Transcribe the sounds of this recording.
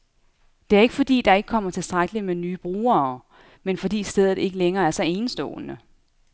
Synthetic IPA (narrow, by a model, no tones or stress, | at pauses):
d̥e̝æɐe̝ɡ̥əfɒ̽d̥ḭːd̥ɑ̈e̝ɡ̥ə̥kʰɒ̽m̰ɐt͡sʰe̝lsd̥ʁaɡ̥əlimenyːb̥ʁuːɐː | menfɒ̽d̥ḭːsd̥eð̞̰ˠð̩ˠe̝ɡ̥əleŋɐːæɐsɒ̽e̝ːnəsd̥ɔ̰̽ːnə